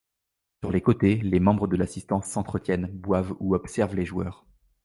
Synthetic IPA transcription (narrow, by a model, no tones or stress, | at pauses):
syʁlekot̪elemɑ̃bʁəd̪əlasist̪ɑ̃sːɑ̃t̪χət̪jɛnbwavuɔpsɛʁvleʒwœːʁ